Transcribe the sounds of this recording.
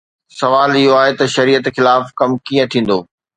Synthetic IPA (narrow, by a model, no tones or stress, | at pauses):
sɐʋaːlɪɦoaːɦet̪ɐʃɐɾiːət̪xɪlaːfkɐmkĩːə̃t̪ʰĩːn̆d̪oː